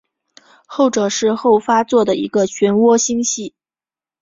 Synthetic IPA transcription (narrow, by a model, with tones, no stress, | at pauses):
xo˥˩ʊʈ͡ʂɤ˨˩ʂɻ̩˥˧xo˥˩ʊfa˥t͡swɔ˥˩d̪ə˩ḭ˧˥ɡə˧t͡ɕʰɥɛ˧˥nwɔ˥ɕi˥ŋɕi˥˩